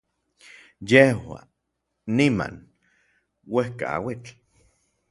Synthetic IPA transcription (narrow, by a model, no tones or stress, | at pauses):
jehwa̰ | nːima̰n | wehka̰a̰wit͡ɬ